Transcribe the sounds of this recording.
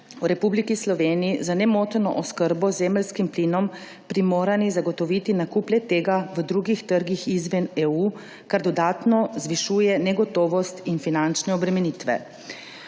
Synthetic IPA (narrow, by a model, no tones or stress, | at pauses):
wɾɛpublikislɔʋeːniizanɛmoːt̪nɔ̰ʔɔskəɾbɔzeːməlskimplinɔm | pɾimoːɾanizaɡɔt̪ɔʋit̪inakuːplʲɛt̪eːɡaʋəd̪ɾuɡixt̪əɾɡixizʋɛneuː | kaɾd̪ɔd̪aːt̪nɔzʋiʃuːjɛnɛɡɔt̪oːʋɔst̪infinant͡ʃnɛɔbɾɛmɛnit̪ʋɛ̰